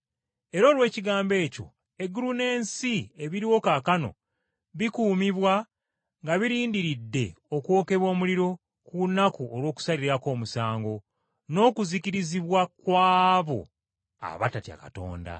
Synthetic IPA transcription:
e̞ɾo̞ːlwe̞ːciɡaːmbe̞ːco̞̰ | e̞ɡuɾune̞ːnsie̞βiɾiwo̞kakano̞̰ | βikuːmiβwa | ŋɡaβiɾiːndiɾidːe̞o̞kwo̞ːke̞βwo̞ːmuliɾo̞ | kunakuolwo̞ːku̥saliɾiɾako̞ːmusaːŋɡo̞ | no̞ːkuziciɾiziβwakwaːβo̞̰ | a̰βa̰tatia̰kato̞̰ːnda̰

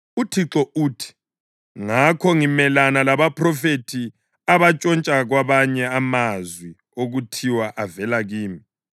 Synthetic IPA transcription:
utʰiǁɔuːtʰi̥ | ŋakʰɔŋimɛlanalaβapʰʼrɔfetʰi | aβat͡ʃʼɔnt͡ʃʼaɣwaβaɲɛamazwi | oɣutʰiwaʔavɛlaɣiːmi

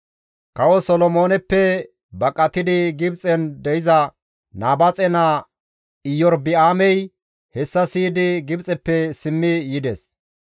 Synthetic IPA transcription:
kɐwɔsɔlɔmo̞ːnɛpːɛ | bɐkʼːɐt̪ɪd̪ɪɡɪbt͡sʼɛnd̪ɛjɪzɐ | naːbɐt͡sʼɛna | ɪjːɔɾbɪaːmɛj | hɛsːɐsiːd̪ɪɡɪbt͡sʼɛpːɛsɪmːɪjɪd̪ɛs

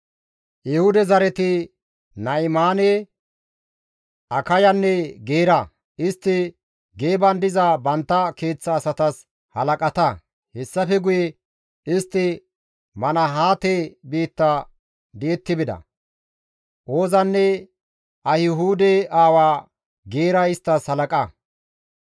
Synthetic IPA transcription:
jɪhʊd̪ɛzɐɾɛt̪ɪ | nɐjɪmaːne | ʔɐkɐjɐnːɛɡeːɾɐ | ɪst̪ːɪ | ɡeːbɐnd̪ɪzabɐnt̪ːɐke̞ːt͡sːɐːsɐt̪ɐs | hɐlɐkʼɐt̪ɐ | hɛsːɐfɛɡʊjɛ | ɪst̪ːɪ | mɐnɐɦaːt̪ebiːt̪ːɐ | d̪ɪɛt̪ːɪbɪd̪ɐ̰ | ʔo̞ːzɐnːɛ | ʔɐhɪɦuːd̪ɛaːwaː | ɡe̞ːɾɐɪst̪ːɐshɐlɐkʼɐ

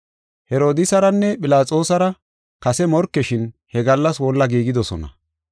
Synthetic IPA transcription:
hɛɾo̞ːd̪ɪsɐɾɐnːɛpʼɪlaːt͡sʼo̞ːsɐɾɐ | kɐsɛmɔɾkːɛʃɪnhɛɡɐlːɐswɔlːɐɡiːɡɪd̪ɔsɔ̰nɐ̰

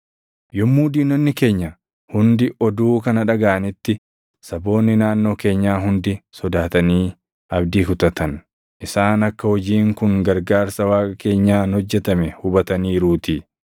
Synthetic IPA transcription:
jʊmːuːd̪iːnːɔnːɪke̞ːɲːɐ | hʊnd̪ɪʔɔd̪uːkɐnɐᶑɐɡaʔɐnɪt̪ːɪ | sɐbo̞ːnːɪnaːnːo̞ːke̞ːɲːaːɦʊnd̪ɪsɔd̪aːt̪ɐniː | ɐbd̪iːkʊt̪ɐt̪ɐn | ʔɪsaːnɐkːɐhɔd͡ʒiːŋkʊŋɡɐɾɡaːɾsɐwaːkʼɐke̞ːɲːaːnhɔd͡ʒːɛt̪ɐmɛhʊbɐt̪ɐniːɾuːt̪iː

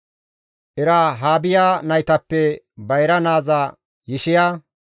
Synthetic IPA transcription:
ʔɛɾaɦaːbɪjaːnɐjt̪ɐpːɛ | bɐjɾɐnaːza | jɪʃɪjaː

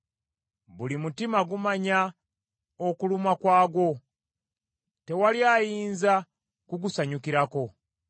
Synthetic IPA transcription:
bulimutimaɡumaɲa | okulumakwaːɡo̞ | te̞waljaːjiːnza | kuɡusaɲukiɾako̞

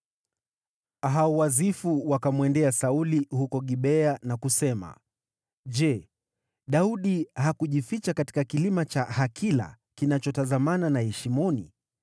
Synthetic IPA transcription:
aɦauwazifuwakamwɛndɛasaulihukɔɠiɓɛanakusɛma̰ | ʄɛ | ɗauɗiɦakuʄifit͡ʃakati̥kakilimat͡ʃahakʰila̰ | kinat͡ʃɔtazamananahɛʃimɔni

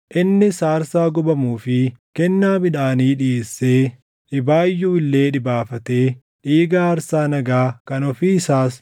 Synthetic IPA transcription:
ʔɪnːɪsaːɾsaːɡɔbɐmuːfɪkɛnːaːbɪᶑaːniːᶑɪeːsːe̞ː | ᶑɪbaːjːuːɪlːe̞ːᶑɪbaːfɐt̪e̞ː | ᶑiːɡaːɐɾsaːnɐɡaːkɐnɔfiːɪsaːs

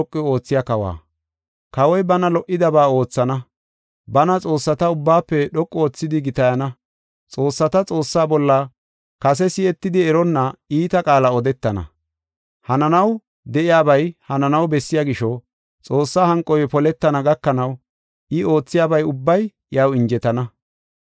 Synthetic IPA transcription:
ɔkʼːɪo̞ːt͡sːɪjɐkɐwa̰ː | kɐwɔjbɐnɐlɔʔɪd̪ɐbaːo̞ːt͡sːɐnɐ | bɐnɐt͡sʼo̞ːsːɐt̪ɐʊbːaːpːɛɗɔkʼːoːt͡sːɪd̪ɪɡɪt̪ɐjɐnɐ | t͡sʼo̞ːsːɐt̪ɐt͡sʼo̞ːsːaːbɔlːɐ | kɐsɛsɪɛt̪ːɪd̪ɪɛɾɔnːɐiːt̪ɐkʼaːlɐɔd̪ɛt̪ːɐnɐ̰ | hɐnɐnɐw | d̪ɛʔɪjaːbɐjhɐnɐnɐwbɛsːɪjaːɡɪʃɔ | t͡sʼo̞ːsːahɐŋkʼːɔjpɔlɛt̪ːɐnɐɡɐkːɐnɐw | ʔɪo̞ːt͡sːɪjaːbɐjʊbːɐj | jɐwɪnd͡ʒɛt̪ɐnɐ

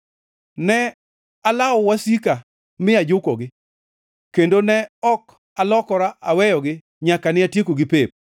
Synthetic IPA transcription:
nɛ | alawɔwasika | mɪad͡ʒʊkɔɡɪ | kendonɛɔk | alɔkɔɾaʔawɛjɔɡɪ | ɲakanɪatjekoɡɪpep̚

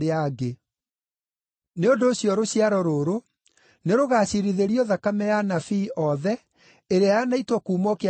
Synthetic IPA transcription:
eaɡe | neondoːɕjɔɾoɕjaɾɔɾoɾo | neɾoɣaːɕiɾiðeɾiɔðakamɛjanafiːʔɔðɛ | eɾeajanaitwɔkuːmɔke

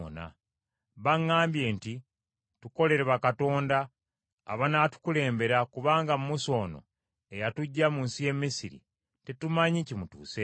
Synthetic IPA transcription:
o̰na̰ | βaŋːaːmbje̞ːnti | tuko̞le̞ɾeβakato̞ːnda̰ː | βanatu̥kule̞ːmbe̞ɾakuβaːŋɡamumuso̞ːno̞̰ | ejatuɟːamuːnsije̞mːisiɾḭ | tetumaɲicimutuːse

